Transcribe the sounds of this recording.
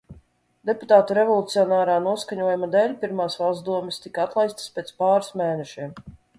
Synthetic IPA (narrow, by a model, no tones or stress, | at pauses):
d̪eput̪aːt̪uɾɛvɔlˠut̪siɔnaːɾaːnuɔskaɲuɔjumad̪ɛːlʲpʲiɾmaːsvalˠzd̪uɔmɛst̪ikaat̪lˠajst̪spʲet̪spaːɾsmeːnɛʃim